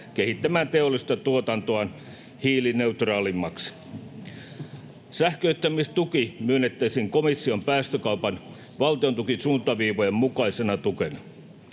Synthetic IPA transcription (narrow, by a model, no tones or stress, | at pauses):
kehit̪ːæmæːnt̪e̞olːˑist̪ɑt̪uot̪ɑnt̪oɑn | hiːline̞ut̪rɑːlimːɑks | sæhkøyt̪ːæmist̪ukimyønːet̪ːæisiːŋkomisːio̞mpæːst̪økɑupɑn | ʋɑlt̪iont̪ukinsuːnt̪ɑʋiːʋojemmukɑisenɑt̪ukenɑ